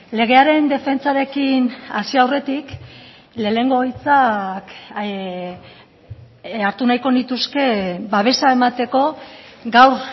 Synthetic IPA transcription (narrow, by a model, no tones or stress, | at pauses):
le̞ɣ̞e̞aɾe̞nd̪e̞fe̞nt͡saɾe̞kinasiawre̞t̪ik | le̞ːne̞ŋɡoɣjt͡sak | aɾt̪unajko̞nit̪uske̞baβ̞e̞sae̞mat̪e̞ko̞ɡawɾ